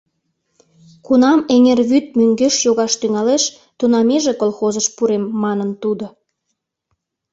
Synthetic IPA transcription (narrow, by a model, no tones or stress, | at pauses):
kunɑmeŋerβyt̪̚myŋɡeʃjoɣɑʃt̪yŋɑleʃ | t̪unɑmeʒekolˠxozəʃpuɾemːɑnənt̪ud̪o